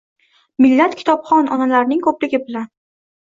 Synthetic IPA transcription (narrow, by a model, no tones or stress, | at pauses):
mɪlːat̪kʲʰɪ̥t̪ʰɒpχɒnɒnalaɾnɪŋkʰɵplɪɡʲɪbɪlan